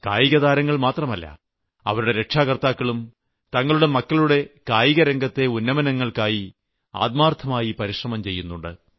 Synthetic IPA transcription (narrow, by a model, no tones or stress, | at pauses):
ka̰ːjiɣɐðaːɾɐŋːɐɭmaːt̪rɐmɐlːɐ̰ | ɐ̰ʋɐɾuɽe̞ɾe̞kʂaːɣɐrt̪aːkːɐɭum | t̪ɐŋːɐɭuɽe̞mɐkːɐɭuɽe̞kaːjiɣɐɾɐŋɡɐt̪ːe̞unːɐmɐnɐŋːɐɭkaːji | a̰ːd̪̚maːrt̪ʰːɐmaːjipɐɾiʂrɐmɐmt͡ɕe̞jːunːuɳɖɨ̰